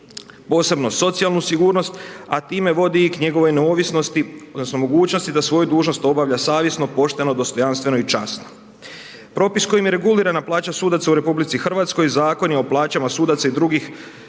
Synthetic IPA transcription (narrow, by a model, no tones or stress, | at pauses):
po̞ːse̞bno̞so̞t̪sijalˠnusiɡuːɾno̞st̪a̰t̪iːme̞ʋo̞d̪iikɲe̞ɡo̞ʋo̞jneoʋisnost̪iod̪nosnomo̞ɡuːt͡ɕno̞st̪id̪asʋo̞jud̪uːʒno̞st̪o̞baʋʎasaːʋje̞sno̞po̞ʃt̪e̞no̞d̪o̞st̪o̞janst̪ʋe̞no̞it͡ʃasno̥ | pɾo̞pisko̞jimje̞ɾe̞ɡuliɾanaplˠaːt͡ɕasuːd̪at̪sauɾe̞publit̪sixr̩ʋat̪sko̞jzaːko̞njeo̞plˠaːt͡ɕamasuːd̪at̪said̪ɾuɡix